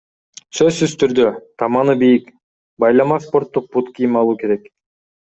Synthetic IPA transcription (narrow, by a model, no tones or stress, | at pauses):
søzsyzt̪ʰyɾd̪øt̪ʰɑmɑnɯbijik | bɑjlˠɑmɑspo̞ɾt̪ːuq̚put̪kijimɑlˠuːke̞ɾek